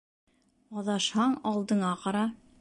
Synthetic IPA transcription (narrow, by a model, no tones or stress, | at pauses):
ɑðɑʃhɑɴɑlˠd̪ɤ̆ɴɑqɑɾɑ